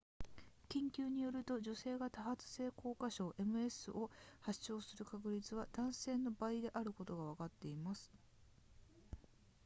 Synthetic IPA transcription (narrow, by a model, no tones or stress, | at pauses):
kʲĩŋkʲɨːɲ̟ijo̞ɾɯ̟t̪o̞ʑo̞se̞ːɡat̪aɦat͡sɨ̥se̞ːkʰo̞ːkaɕo̞ːʔe̞mɯ̟e̞sɨʔo̞haɕo̞ːsɨɾɯ̟kak̬ɯ̟ɾʲit͡sɨβ̞ad̪̥ãɰ̃se̞ːnːo̞baid̪e̞ʔaɾɯ̟ko̞t̪o̞ɡaβ̞akat̪ːe̞imasɨ̥